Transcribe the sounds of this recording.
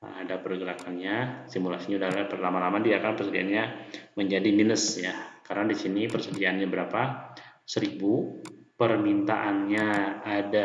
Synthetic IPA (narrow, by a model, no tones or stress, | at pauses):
a̰dapərɡəɾakanɲasimulasiɲaudalapadalamalamadiakanpərsədia̰nɲaməɲd͡ʒadiminəsjakaɾənadisinipərsədiaʔːnɲabəɾapasəɾibupərmint̪a̰ʔanɲaada